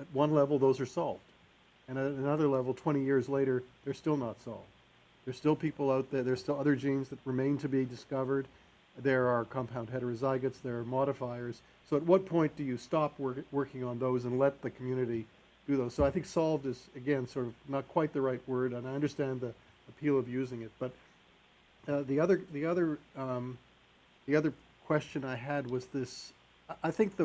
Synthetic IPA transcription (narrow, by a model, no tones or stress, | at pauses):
ɨt̚wʌ̃nlɛvl̩ˠðoʊzə˞sɑlˠvd̥ | ɨ̃ñɨɾɨnʌðə˞lɛvl̩ˠtʰw̥ɛ̃ɾ̃ijɪɹzleɪɾə˞ðə˞stɪlˠnətsɑ̰lˠvd | ðə˞stɪlˠpʰipl̩ˠaʊt̪̚ðə˞ðə˞stɪlˠʌðə˞d͡ʒĩɪ̃nzðɨt̚ɹɨmẽɪ̃ntʰɨbidɨskʌvə˞d̪̚ | ðə˞əkʰɑ̃mpʰãʊ̃nd̚ɦɛɾə˞ɨzaɪɡɨtsðə˞ːmɑɾɨfaɪə˞z̥ | soʊət̚wʌt̚pʰɔ̃ɪ̃nd̥ɨjɨstɑpʰwɜ˞wɜ˞kɪ̃ŋə̃nðoʊzə̃nlɛt̪̚ðɨkʰm̩jʉnɨɾi | d̥ɨðoʊz̥soʊaɪθɪ̃ŋksɑlˠvdɨzɨɡɛ̃nsɔɹɾʌv̥nət̚kʰw̥aɪt̪̚ðɨɹaɪt̚wɜ˞ɾɨ̃naɪʌ̃ndə˞stæ̃nði | ɨpʰilˠʌvjʉzɪ̃ŋɨt̚b̥ʌt̪̚ | ðiʌðə˞ðiʌðə˞ | ðiʌðə˞ | kʰw̥ɛst͡ʃɨ̃naɪɨd̚wʌzðɪs | ʔaɪθɪ̃ŋk̚ðɨ